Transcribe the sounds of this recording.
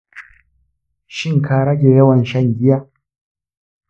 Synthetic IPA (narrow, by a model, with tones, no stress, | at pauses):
ʃɪ˦ŋkʰaː˨ɽɐ˦ɡʲe˨jɐ˦wɐ˨nʃɐ˦˨ŋɡʲɪ˦jaː˦